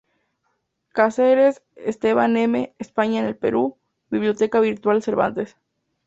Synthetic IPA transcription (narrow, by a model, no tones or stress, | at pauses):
kaseɾes | est̪eβanemeːspaɲaenelpḛɾu | biβljo̞t̪ekaβiɾt̪walseɾβa̰nt̪es